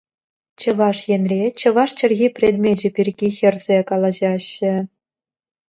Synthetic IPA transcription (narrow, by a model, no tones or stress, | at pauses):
t͡ɕɤ̆ʋɑʂjenʲrʲet͡ɕɤ̆ʋɑʂt͡ɕɘ̆rʲɣʲipʲrʲed̪mʲed͡ʑɘ̆pʲirʲɡʲixʲɘ̆rʲzʲekɑlˠɑʑɑɕːɘ̆